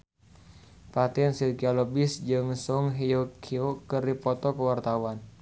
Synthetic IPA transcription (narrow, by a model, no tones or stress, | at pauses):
pat̪ɛɛnsilkialɔbisd͡ʒɨŋsɔŋɦiokʰiokəripɔt̪ɔkəwart̪awan